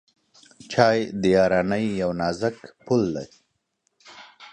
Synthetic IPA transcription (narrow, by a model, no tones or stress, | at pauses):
t͡ʃɑjd̪əjɑɾɑnəjːawnɑzəkpulːaɾi